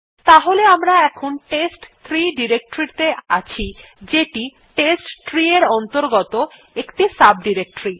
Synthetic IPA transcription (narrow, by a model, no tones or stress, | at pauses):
t̪aɦoleamɾaɛkʰonʈesʈt̪ʰɾiɖiɾek̚ʈoɾit̪eʔa̰t͡ɕʰi | d͡ʑeʈi | ʈesʈtɾieɾɔnt̪oɾɡɔt̪o | ekʈisab̚ɖiɾek̚ʈoɾi